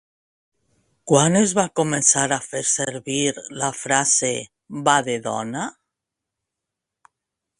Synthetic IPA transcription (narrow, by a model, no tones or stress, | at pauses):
kwanezβakomẽnsaɾafeɾseɾβiɾlafɾase | βaðeðo̰na